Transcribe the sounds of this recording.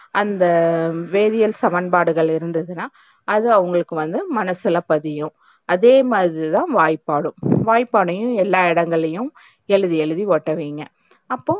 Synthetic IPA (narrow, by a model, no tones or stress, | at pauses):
ʔɐnd̪ɐʋeːðɪjɐlsɐmɐnbaːɽɯɣɐɭɪɾɯnd̪ɐðɯnaː | ɐðɯɐʋɐŋɡɐɭɯkːɯʋɐnd̪ɯmɐnɐsɪlɐpɐðɪjʊ̃ | ɐðeːmaːɾit̪ãːʋaːjpːaːɽɯ̃ʋaːjpːaːɽɐjʊ̃ɛlːaːɪɽɐŋɡɐɭɐjʊ̃ | ɛɻɯðiɛɭɯðiʋoːʈːɐʋiːŋɡɐ | ɐpːoː